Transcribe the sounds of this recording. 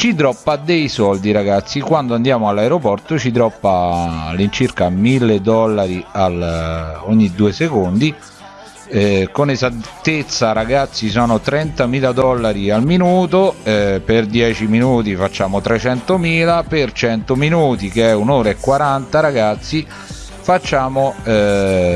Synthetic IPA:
t͡ʃid̪ɾɔpːad̪ejsɔld̪iɾaɡat̪sːikwand̪oand̪jaːmoalːaeɾopɔrt̪ot͡ʃid̪ɾɔpːalint͡ʃirkamilːed̪ɔlːaɾialoɲːid̪uːesekond̪i | ɛkonezatt̪ːet̪sːaɾaɡat̪sːis̬ɔːnot̪ɾɛnt̪amiːlad̪ɔlːaɾialminuːt̪̬oɛperd̪jɛːt͡ʃiminuːt̪̬ifat͡ʃːaːmot̪ɾet͡ʃɛnt̪omiːlapert͡ʃɛnt̪ominuːt̪ikeɛunoːɾaekːwaɾant̪aɾaɡat̪sːi | fat͡ʃːaːmoɛ

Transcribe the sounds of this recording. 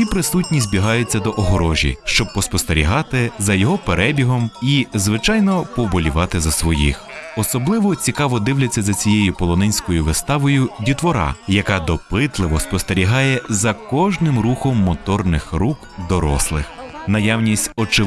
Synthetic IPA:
sʲipɾɪsutʲnʲizʲzʲbʲiɦɑjʊt͡sʲːɐd̪ɔʔɔɦɾɔʒʲḭʃt͡ʃɔb̚pɔspɔst̪eɾʲḭɦɑt̪ɪzɐjɔɦɔpeɾʔɛbʲiɦɔmizʋɪt͡ʃɑjnɔpɔbɔlʲiʋɑt̪ɪzɐsʋɔjḭxɔsɔblˠɪʋɔt͡sʲikɑʋɔd̪ɪwlʲɐt͡sʲːɐzɐt͡sʲijejʊpɔlˠɔnɛnʲsʲkɔjʊʋɪst̪ɑʋɔjʊdʲit̪ʋɔɾɑ̰jɐkɑd̪ɔpɪt̪lˠɪʋɔspɔst̪eɾʲiɦɑjɛzɐkɔʒnɪmruxɔmːɔt̪ɔrnɪxrukd̪ɔɾɔ̰slˠɪ̰xnɐjawnʲisʲtʲɔt͡ʃɪ

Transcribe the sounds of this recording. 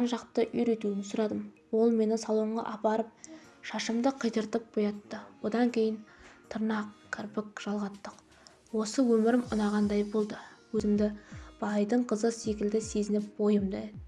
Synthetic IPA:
ɑnʒɑqt̪əʔʏjɾe̞t̪uɪnsʊɾɑd̪əm | wo̞lˠme̞nɪsɑlˠuwəɴʁɑ̰ʔɑpɑɾəp̚ | ʃɑʃəmd̪əqʰəjt̪əɾt̪əp̚b̥ojɑt̪ːəwo̞d̪ɑŋkʲʰe̞jɪnt̪ʰʊɾnɑqkʲʰːɪɾpɪkʒ̥ɑlˠʁɑt̪ːəq | wo̞səwɵmɪɾɪmʊ̰nɑʁɑnd̪ɑjbo̞lˠd̪əwɵzɪmd̪ɪb̥ɑjd̪əɴqʰəzəse̞kʲɪld̪ɪse̞zɪnɪp̚bo̞jəmd̪ɑɪ

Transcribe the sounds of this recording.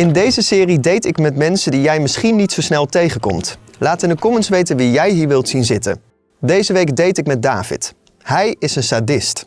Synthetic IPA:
ɪndejzəsɪːridejtɪkmɛtmɛnsədijɛjmɪsχinitsowsnɛlˠtejχəkɔ̰mt | laːtɪnəkɔmənsʋejtənʋijɛjɦiːɹʋɪlˠtsinzɪtə̰n | dejzəʋejkdejtɪkmɛd̚da̰ːv̥ɪ̰t | hɛjɪsənsadɪst

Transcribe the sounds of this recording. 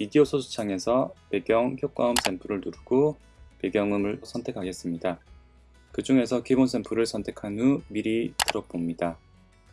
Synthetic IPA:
midiosʰosʰu̥t͡ɕʰaŋe̞sʰʌpe̞ɡjʌŋçʰjok͈aɯms͈ʰe̞mpʰuɾɯɭnuɾuɡ̥o | pe̞ɡjʌŋɯmɯɭsʰʌntʰe̞kʰaɡe̞s͈ɯmɲida | kɯd͡ʑuŋe̞sʰʌkibonsʰe̞mpʰuɾɯɭsʰʌntʰe̞kʰanumiɾitɯɾʌbomɲida

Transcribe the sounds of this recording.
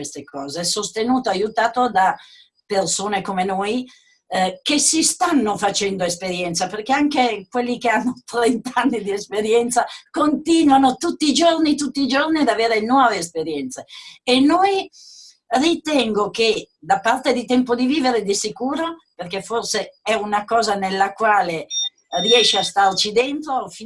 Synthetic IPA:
west̪ekɔːzeɛsost̪enuːt̪oajut̪aːt̪od̪a | persoːnekomenoːj | kesist̪anːofat͡ʃɛnd̪oespeɾjɛnt̪saperkeaŋkekwelːikeanːot̪ɾɛnt̪anːid̪iespeɾjɛnt̪sakont̪iːnwanot̪ut̪ːiːd͡ʒornit̪ut̪ːiːd͡ʒorniad̪aveːɾenwɔːveːspeɾjɛnt̪seenːoj | rit̪ɛŋɡoked̪apːart̪ed̪it̪ɛmpod̪iviːveɾed̪isikuːɾoperkeforseɛunakɔːzanelːakwaːle | riɛʃeast̪art͡ʃid̪ent̪ɾofi

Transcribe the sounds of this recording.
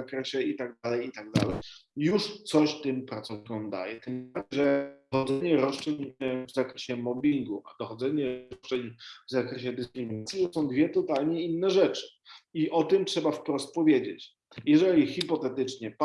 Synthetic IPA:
akɾɛɕɛit̪aɡ̚d̪alɛjit̪aɡ̚d̪a̰lɛjjuʂt̪sɔɕt̪ɘmpɾat̪sɔvikɔ̃md̪a̰jɛ̰t̪ɛmaʐɛxɔzɛɲɛɾɔʂt͡ʂɛɲvzakɾɛɕɛmɔbʲiŋɡuʔa̰d̪ɔxɔd̪zɛɲɛɾɔt͡ʂɛɲvzakɾɛɕɛd̪ɘskɾɘmʲinat̪sʲjit̪ɔsɔ̃w̃d̪vʲjɛt̪ɔt̪alɲɛinːɛʐɛt͡ʂɘ̥iʔɔt̪ɘmtʂɛbafpɾɔst̪̚pɔvʲjed͡ʑḛt͡ɕ | jɛʐɛlʲixipɔt̪ɛt̪ɘt͡ʂɲɛpa

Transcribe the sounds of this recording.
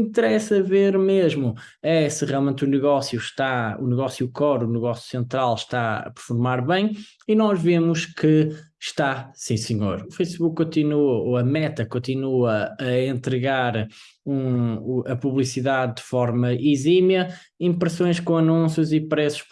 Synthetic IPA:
ĩnt̪ɨɾɛsɐveɾmeʒmu | ɛsɨʁijalˠmẽnt̪unɨɣɔsjuʃt̪aṵnɨɣɔsjukɔɾunɨɣɔsju̥sẽnt̪ɾalˠʃt̪aɐ̰pɨɾfuɾmaɾβɐ̃j̃ | inɔʒvemuʃkɨ | ʃt̪asĩsɨɲoɾufɐjsβukkːõnt̪inuɐoɐmɛt̪ɐkõnt̪inuɐɐẽnt̪ɾɨɣaɾ | ũɐpuβlˠisiðaðdɨfɔɾmɐʔizimjɐ | ĩpɾɨsõj̃ʃkõɐnũsjuzipɾɛsu̥ʃ

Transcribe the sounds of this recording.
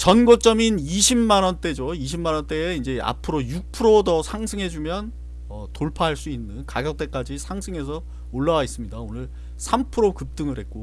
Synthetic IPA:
t͡ɕʌnɡot͡ɕ͈ʌminiɕʰimːanʌnt͈e̞d͡ʑoiɕʰimːanʌnt͈e̞ːind͡ʑe̞a̰pʰɯɾojuk̚pʰɯɾodʌsʰaŋsʰɯŋɦe̞d͡ʑumjʌn | ʌtoɭpʰaɦaɭs͈uinːɯnkaɡjʌk̚t͈e̞k͈ad͡ʑisʰaŋsʰɯŋɦe̞s̬ʰʌ | oɭːawais͈ɯmɲidaonɯɭ | sʰampʰɯɾokɯp̚t͈ɯŋɯɭɦe̞t̚k͈o

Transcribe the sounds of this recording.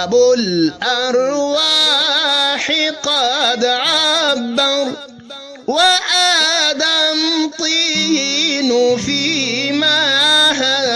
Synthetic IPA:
bʊlʔɑɾˤwa | ħɪqɑːd̪ʕabːa | waʔaːd̪amt̪ˤiː | nʊfiːmaɦa

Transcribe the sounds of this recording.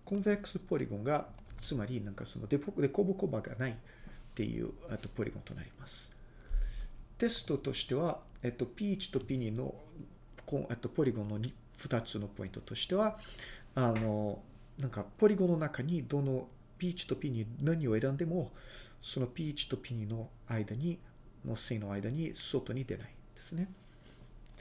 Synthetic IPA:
kõmvekɯ̟̥sɨpo̞ɾʲḭɡõŋɡat͡sɨmaɾʲinãŋkaso̞̰no̞̰d̪ed̪e̞ko̞bɯ̟ko̞baɡa̰nai | t̪ːe̞̰jɯ̰ːet̪ːo̞po̞ɾʲḭɡõt̪o̞na̰ɾʲimasɨ̥ | t̪e̞sɨ̥t̪o̞t̪o̞ɕi̥t̪e̞βaet̪ːo̞pʲiːt͡ɕi̥t̪o̞pʲiɲʲino̞̰ | kõ̰et̪ːo̞po̞ɾʲiɡõ̞nːo̞ɲ | ɸɯ̟t̪at͡sɨno̞po̞ḭ̃nt̪o̞̥t̪o̞ɕi̥t̪e̞βa | ano̞ | nãŋkapo̞ɾʲiɡonːo̞nakaɲ̟id̪ono | pʲiːt͡ɕi̥t̪o̞pʲiɲ̟ʲinaɲ̟io̞e̞ɾãnd̪e̞mo̞ | so̞no̞pʲiːt͡ɕi̥t̪o̞pʲiɲ̟ʲino̞ | aid̪aɲ̟i | nosẽĩno̞aid̪aɲ̟iso̞ːt̪o̞ɲ̟id̪e̞̰na̰ind̪̥e̞sɨne̞

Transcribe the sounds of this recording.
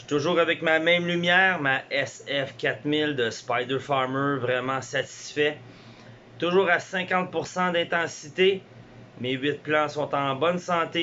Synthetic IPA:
ʃt̪ʊʒuːʁavɛkmamɛ̃mlymjɛːʁmaʔɛsɛfkʲat̪mɪld̪əspajd̪ə˞fɑʁmø˞vʁɛmɑ̃sat̪i̥sfɛ | t̪ʊʒuːʁasɛ̃kɑ̃t̪̚pʊʁsɑ̃d̪ɛ̃t̪ɑ̃sit̪e | mewɪt̪̚plɑ̃sɔ̃t̪ɑ̃bɔnsɑ̃ːt̪e

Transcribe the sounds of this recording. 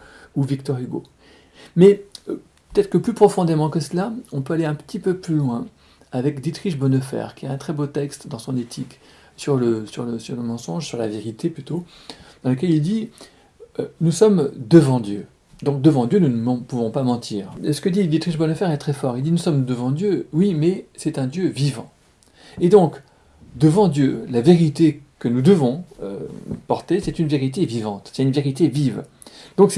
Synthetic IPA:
uvik̚t̪ɔʁyɡo̰ | mɛ | pø̥t̪ɛt̪χə̥kəplypχɔfɔ̃d̪emɑ̃kəslaɔ̃pøaleɛ̃pə̥t̪ipøplylwɛ̃ | avɛkd̪it̪χiʃbɔnəfɛ̰ʁkʲiɛt̪ɛ̃t̪χɛbot̪ɛkst̪d̪ɑ̃sɔ̃net̪ʰik | syʁləsyʁləsyʁləmɑ̃sɔ̃ʒsyʁla̰veʁit̪eplyt̪od̪̥ɑ̃lək̬ʲɛlild̪i | ønusɔmd̪əvɑ̃d̪jø | d̪ɔ̃k̚d̪əvɑ̃d̪jønunəmɑ̃puvɔ̃pamɑ̃t̪ʰiːʁsə̥kəd̪id̪it̪χiʃbɔnəfɛʁɛt̪χɛfɔʁild̪inusɔmd̪əvɑ̃d̪jøwimɛsɛt̪ɛ̃d̪jøvivɑ̰̃ | ed̪ɔ̃k | d̪əvɑ̃d̪jølaveʁit̪ekənud̪əvɔ̃ø̰pɔʁt̪esɛt̪ynveʁit̪̬evivɑ̃t̪sɛt̪ynveʁit̪eviv | d̪̥ɔ̃ksɛ

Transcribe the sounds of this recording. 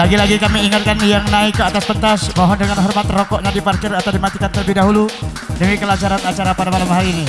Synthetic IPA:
laɡilaɡikamiːiŋat̪̚kanjaŋnaikːəat̪asbət̪asmɔɦɔndəŋanɦɔrmat̪rɔkɔʔɲadiparkɪrat̪awdimat̪ikant̪ələbihdaɦulu | dəmikəlad͡ʒaɾanat͡ʃaɾapadamalambaɦalini

